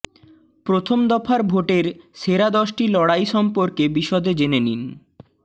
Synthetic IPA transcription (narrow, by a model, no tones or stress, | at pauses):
pɾot̪ʰomd̪ɔfʰaɾbʱoʈeɾseɾad̪ɔʃʈilɔɽajʃɔmpoɾkebiʃɔd̪ed͡ʑenenin